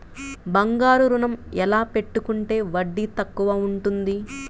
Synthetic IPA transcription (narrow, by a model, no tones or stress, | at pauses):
bɐŋɡaːɾuɾunɐmɛlaːpe̞ʈːukuɳʈe̞ːʋɐɖːit̪ɐkːuʋɐuɳʈund̪i